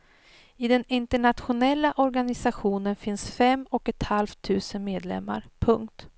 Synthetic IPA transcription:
ɪd̪ɛnɪnt̪əɳat̪ɧʊnɛlːaʔɔɾɡanɪsaɧuːnənfɪnsfɛmɔkɛt̪halvt̪ʰʉ̟ːsənmeːd̪lɛ̰mːa̰ɾpʰɵŋk̚t̪

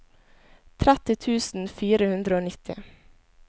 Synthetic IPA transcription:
t̪ʰɾæt̪ɪt̪ʰʉːsn̩fiːɾəhʉnd̪ɾəoːnɪt̪ʰɪ̰

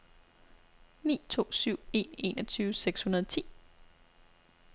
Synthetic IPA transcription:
nḭːt͡sʰo̝̰ːsyʊ̰e̝ːne̝̰ːnɒt͡sʰyːʊəseɡ̥shunɐð̞ˠt͡sʰḭː

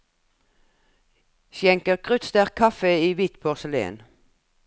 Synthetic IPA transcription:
sjɛŋkəʁkʰʁʉt̪st̪æːʁkʰɑfəiːʋiːt̪pʰoːʁsəlḛːə̰n

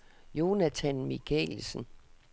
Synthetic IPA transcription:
jo̝næt͡sʰænmiɡ̥ʰɛ̰lsən̩

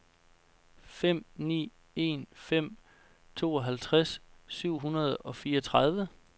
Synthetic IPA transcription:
fem̰nḭː | e̝̰nfem̰ | t͡sʰo̝ːɒ̽ɦælt͡sʰʁassyʊ̰ɦunɐð̞ˠɒ̽fiːɒt͡sʰʁɑð̞ˠʋə

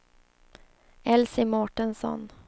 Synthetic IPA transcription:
ɛlsɪmɔʈənsɔ̰n

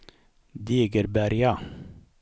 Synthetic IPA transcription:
d̪iːɡəɾbæɾja

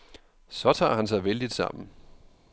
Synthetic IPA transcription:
sɒ̽t͡sʰɑ̰̈ːɦænsɑ̈ɪʋeld̥id̥sɑ̰̈m̰n̩

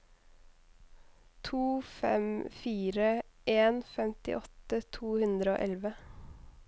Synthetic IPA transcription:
t̪ʰuːfɛ̰mfiːɾəʔeːnfɛmt̪ɪ̰ʔɔt̪ət̪ʰuːhʉnd̪ɾəo̰ːʔɛlʋə

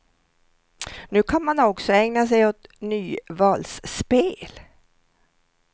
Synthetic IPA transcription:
nʉ̟ːkʰanmanɔksɔɛŋnas̬ɛjɔt̪nyːvɑːlspeːl

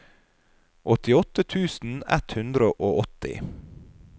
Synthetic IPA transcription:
ʔɔt̪ɪɔt̪ət̪ʰʉːsn̩ɛ̰t̪hʉnd̪ɾəʔoːʔɔt̪ɪ̰

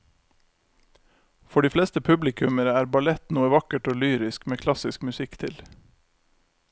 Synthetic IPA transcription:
fɔɖiːflɛːst̪əpʰʉblɪkʰʉməɾəæːɾbɑlɛt̪nuːəʋɑkəʈoːlyːɾɪskmeːkʰlɑsɪskmʉsɪkt̪ʰɪl

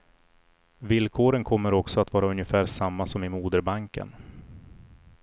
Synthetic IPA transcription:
vɪlkʰoːɾənkʰɔmːəɾɔksɔat̪vɑːɾaɵnjəfæːɾʂamːasɔmɪmuːd̪əɾbaŋkə̰n

